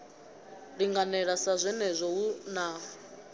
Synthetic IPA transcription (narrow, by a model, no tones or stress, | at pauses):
ɺiŋɡanɛɺasazʷɛnɛzʷɔunaː